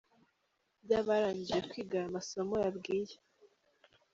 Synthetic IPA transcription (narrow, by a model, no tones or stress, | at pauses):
bɟaːβaɾaːɲɟijekwiːɡaɾamaso̞mo̞jabɡiːje